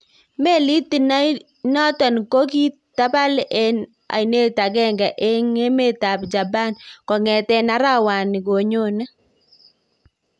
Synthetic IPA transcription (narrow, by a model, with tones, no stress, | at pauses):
me˦li˦ti˨na˦j | nɔ˦tɔ˨nko˦k̬i˦ | ta˦ba˦le˦n | a̰˨jne˦ta˨kɛ˦ŋɡa˨ʔe˦ŋe˦me˦˨ta˨pd͡ʒa˨ba˦nkɔ˨ŋɛ˨tɛ˦na˦ɾa˦wa˨nɪ˨ɡo˨ɲo˦˨na˦